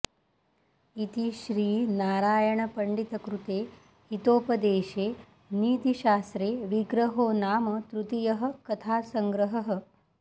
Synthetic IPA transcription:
it̪iʃɾiːnaːɾaːjɐɳɐpɐɳɖit̪ɐkɾut̪eː | it̪oːpɐd̪eːʃeː | niːt̪iʃaːsɾeːʋiɡɾɐɦoːnaːmɐt̪ɾut̪ijɐɦɐ̆kɐt̪ʰaːsɐŋɡɾɐɦɐɦɐ

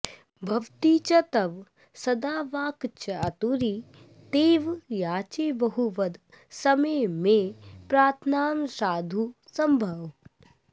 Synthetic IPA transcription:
bʱɐʋt̪iːt͡ʃɐt̪ɐʋ | sɐd̪aːʋaːkt͡ʃʰɐɐt̪uɾi | t̪eːʋjaːt͡ʃeːbɐɦuʋɐd̪ | sɐməjmẽpɾaːɾt̪ʰnaːmsaːd̪ʱusɐmbʱɐʋ

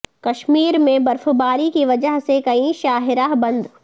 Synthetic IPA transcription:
kɐʃmiːɾmẽbɐɾfbaːɾikiʋɐd͡ʒəɦsekɐĩʃaːɦɪɾaɦbɐ̃nd̪

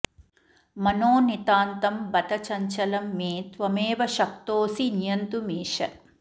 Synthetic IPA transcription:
mɐnoːnit̪aːnt̪ɐmbɐt̪ɐt͡ʃɐɲt͡ʃɐlɐmːeːt̪ʋɐmeːʋɐʃɐk̚t̪oːsinjɐnt̪umiːʂɐ̰

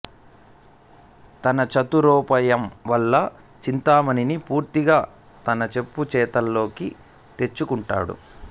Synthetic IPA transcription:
t̪ɐnɐt͡ʃɐt̪uɾɔːpɐjɐmʋɐlːɐ | t͡ʃint̪aːmɐninipuːɾt̪iɡaː | t̪ɐnɐt͡ʃe̞pːut͡ʃɛːt̪ɐlːo̞ːki | t̪e̞t͡ʃːukuɳʈa̰ːɽṵ

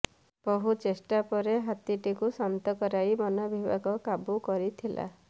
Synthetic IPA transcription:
pɔɦut͡ʃesʈapɔɾeɦat̪iʈikusamt̪ɔkɔɾajbɔnɔbibaɡɔkabukɔɾit̪ʰilʔa̰

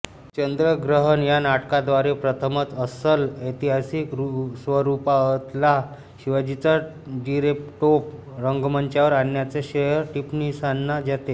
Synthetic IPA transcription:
t͡ɕənd̪ɾəɡɾəɦənjanaʈkad̪ʋaɾepɾət̪ʰəmət͡səsələjt̪iɦasikɾusʋəɾupaət̪la | ɕiʋad͡ʑit͡sa | ɖiɾep̚ʈop̚ | ɾəŋɡməɲt͡ɕjaʋəɾanjat͡seɕejəɾʈipnisanːad͡ʑat̪e

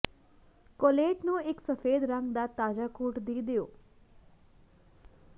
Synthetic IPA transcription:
koːleʈnũeksəfeːd̪ɾãŋɡd̪at̪aːd͡ʒakuːʈd̪iːd̪ejoː

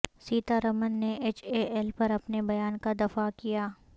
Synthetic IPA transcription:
siːt̪aɾɐmənːeeːt͡ʃeɛlpɐɾɐpnebɐjaːnkad̪ɐfakijaː

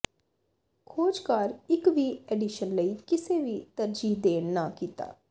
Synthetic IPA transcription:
kʰoːd͡ʒkaːɾɪkʋiːɛːɖɪʃənləiːkɪseːʋiːt̪əɾd͡ʒiːd̪eːnnaːkiːt̪a̰ː

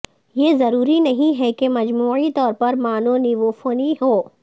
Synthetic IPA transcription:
jeːzɐɾuːɾinɐɦĩɦɛkemɐd͡ʒmuːit̪ɔːɾpɐɾmaːnõniʋofoːniɦoː

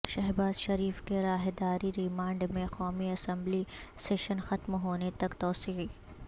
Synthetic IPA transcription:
ʃɐɦbaːzʃɐɾiːfkeɾaːɦed̪aːɾiɾimãːɳɖmẽqɔːmiɐsə̃mbliseːʃənxɐt̪mɦoːnet̪ɐkt̪ɔːsiːi

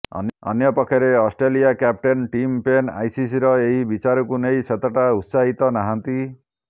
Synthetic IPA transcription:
ʌ̰nʌ̰njʌpɔkʰːeɾeɔsʈɾelijakjap̚ʈenʈimpena̰jsis̬iɾɔeɦibit͡ʃaɾɔkunejsʰet̪ɔʈaut̪saɦit̪ɔnaɦant̪i

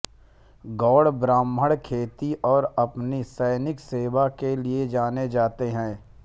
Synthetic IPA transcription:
ɡɔːɽbɾãːməɽkʰeːt̪iʔɔːɾɐpnisɛɪnɪkseːbakelied͡ʒaːned͡ʒaːt̪eɦɛ̃ː

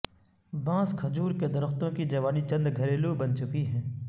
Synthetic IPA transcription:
bãːskʰɐd͡ʒuːɾked̪ɐɾəxt̪õkid͡ʒɐʋaːnit͡ʃɐ̃nd̪ɡʱɐɾeːlubɐnt͡ʃʊkiɦɛ̃ː

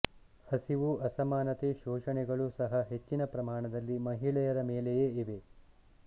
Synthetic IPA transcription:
hɐsiʋuɐsɐmaːnɐt̪eʃoːʃɐɳɛɡɐɭusɐɦɐɦe̞t͡ʃːinɐpɾɐmaːɳɐd̪ɐlːimɐɦiɭɛjɐɾɐmeːlejeːiʋe̞

